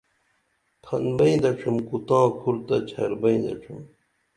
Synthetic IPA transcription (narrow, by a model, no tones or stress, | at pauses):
t̪ʰɐnbɐĩd̪ɐʈ͡ʂʰumkut̪ãːkʰuɾt̪ɐt͡ɕʰɐɾbɐĩd̪ɐ̰ʈ͡ʂʰum